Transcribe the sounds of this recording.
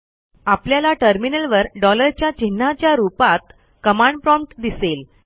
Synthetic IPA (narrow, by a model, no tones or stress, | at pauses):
apljalaʈəɾminəlʋəɾɖɔləɾt͡ɕjat͡ɕin̤ːat͡ɕjaɾupat̪̚ | kəmaɳɖ̚pɾɔ̃mpʈd̪isel